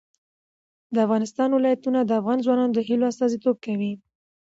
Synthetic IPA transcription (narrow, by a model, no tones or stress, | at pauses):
d̪əafɣɑnɪst̪ɑnwɪlɑjat̪unad̪əafɣɑnzwɑnɑnod̪əɦiloast̪ɑzit̪ob̚kawi